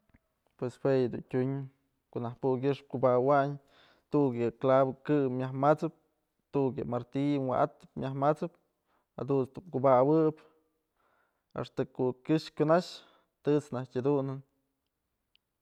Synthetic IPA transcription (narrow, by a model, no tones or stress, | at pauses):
pweshwejad̪ṵntʲuɲ | koʔnahpuk̬ʲɨʂp̚kubawaɲ | t̪ukjɨklabɨkɨmʲahmat͡sɨp̚ | t̪ukjɨmaɾt̪ijnwa̰ʔat̪ɨ̥pmʲjahmat͡sɨp̚ | ha̰d̪unst̪umkubawɨp | a̰ʂt̪ɨkokʲɨʃkʲunaʃ | t̪ɨt͡snahkʲad̪unɨn